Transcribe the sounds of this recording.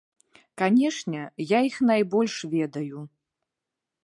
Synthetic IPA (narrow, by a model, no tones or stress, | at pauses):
kanʲɛʂnʲɛjaixn̪ajbɔlʲʂvʲɛd̪ɐju